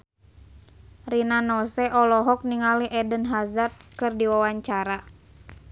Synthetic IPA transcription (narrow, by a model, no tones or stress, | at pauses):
rinanɔsɛʔɔlɔɦɔk̚niŋaliʔɛdənɦazat̪̚kɨrdiwawaɲt͡ʃaɾa